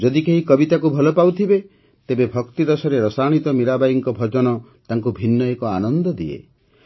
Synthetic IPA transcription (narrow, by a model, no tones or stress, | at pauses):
d͡ʒɔd̪ikeɦikɔbit̪akubʱɔlɔpawt̪ʰibe | t̪ebebʱɔkt̪iɾɔsɔɾeɾɔsaɽ̃it̪ɔmiɾabajiŋkɔbʱɔd͡ʒɔnɔ | t̪aŋkubʱinːɔekɔa̰nɔnd̪ɔd̪iḛ